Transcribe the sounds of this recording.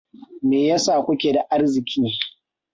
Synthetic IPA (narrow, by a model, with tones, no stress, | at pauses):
meː˨ja˦sa˦˨kʷʊ˦kʲeː˨da˨ʔa˦rzɪ˨kʲʰiː˦